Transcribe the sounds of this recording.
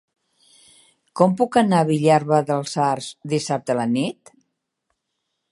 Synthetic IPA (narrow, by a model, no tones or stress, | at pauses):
kɔmpukənaβiʎaɾβəðəlˠzarzd̪isap̚t̪ələnit̪